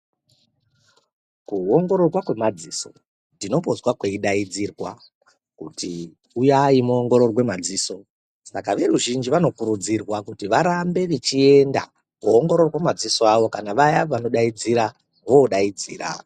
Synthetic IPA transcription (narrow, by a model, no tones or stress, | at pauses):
kuo̞ŋɡo̞ɾo̞rwakwe̞mad͡ziso̞ | ndino̞pozwakweiɗaid͡zirwa | kuti | ujaimuoŋɡo̞ɾo̞rwe̞mad͡ziːso̞ | sakaʋe̞ruʒind͡ʒiʋano̞kuɾud͡zirwakutiʋaɾambe̞ʋet͡ʃie̞nda̰ | kuoŋɡo̞ɾo̞rwamad͡zisoaʋo̞kanaʋajaʋanoɗaid͡ziɾa | ʋo̞ːɗaid͡zḭːra̰